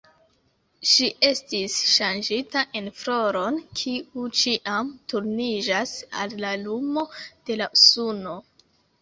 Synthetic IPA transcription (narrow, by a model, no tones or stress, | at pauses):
ʃiʔe̞stisʃand͡ʒitaʔe̞nfɾo̞ɾo̞nkʰiut͡ʃiʔamtuɾnid͡ʒasa̰lːalumo̞d̥e̞lausuno̞